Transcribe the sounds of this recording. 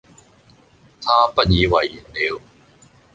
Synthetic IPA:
t̪ʰaː˥pɐ˥t̚jiː˨˧wɐ˨˩ji˨˩nli˨˦w

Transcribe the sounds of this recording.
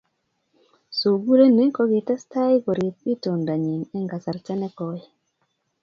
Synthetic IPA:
so˨ɡu˦ɾe˦ne˦kɔ˦ɡi˨ta˦sta˦jkɔ˨ɾi˨t̪̚i˦to˨nda˨ɲi˨nɛ˦ŋɡa˨sa˨ɾt͡ʃa˦nɛ˦kɔ˦jɛ˨

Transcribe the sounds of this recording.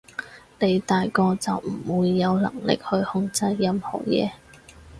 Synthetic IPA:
ne˨˧jt̪aː˨jkɔː˧t͡sɐ˨wm̩˨˩wuː˨˧jːɐ˨˧wlɐ̰˨˩ŋlɪ̰˨k̚hɵ˧ɥhʊ˧˥ŋt͡sɐ˧jːɐ˧mhɔ̰ː˨˩jɛ̰ː˨˧

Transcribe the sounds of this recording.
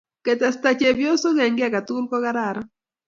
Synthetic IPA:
kɛ˨t̪ɛ˨st̪a˨t͡ʃe˨bjo˦so˦ɣɛ˨ŋɡɪ˦a˦˨ka˨t̪u˦lkɔ˦ɣa˦ɾa˨ɾ

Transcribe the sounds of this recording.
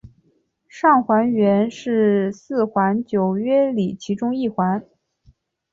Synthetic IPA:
ʂɑ˥˩ŋxwa˧˥nɥɛ˧˥nʂɻ̩˥˧sɹ̩˥˩xwa˧˥nt͡ɕjo˨˩ʊɥɛ˥li˨˩t͡ɕʰi˧˥ʈ͡ʂʊ˥ŋi˥˩xwa˧˥n

